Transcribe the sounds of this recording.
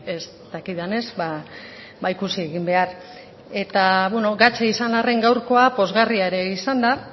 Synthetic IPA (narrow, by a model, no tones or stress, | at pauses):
e̞s | t̪akiðane̞zba | baikusieɣimbe̞ar | e̞t̪aβweno̞ɡat͡ʃeisanare̞ŋɡawɾko̞apo̞zɣariaeɾe̞isand̪a